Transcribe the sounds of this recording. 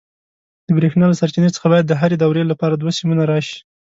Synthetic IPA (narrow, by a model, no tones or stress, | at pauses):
d̪̥əbɾexnɑlasaɾt͡ʃinət͡sə̥xabɑjad̪ːəɦaɾed̪awɾelapɑɾad̪wasimunaɾɑʃi̥